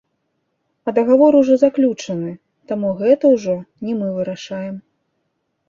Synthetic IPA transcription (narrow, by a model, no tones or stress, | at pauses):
ɐd̪ɐɣavɔɾuʐɔzaklʲut͡ʂɐnɨ | t̪amuɣɛt̪ɐwʐɔnʲimɨvɨɾaʂajɛm